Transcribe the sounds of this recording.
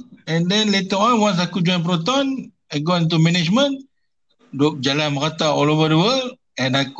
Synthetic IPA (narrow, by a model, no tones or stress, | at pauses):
ɛ̃ndɛ̃nlet̪əɔ̃nwãns̬akud͡ʒɔ̃jnp̬ɾot̪ɔ̃n | aɡɔ̃nt̪̬umɛnɛd͡ʒmə̃n | dɔk̚d͡ʒalanməɾat̪aɔlovədəwəl | ɛ̃nak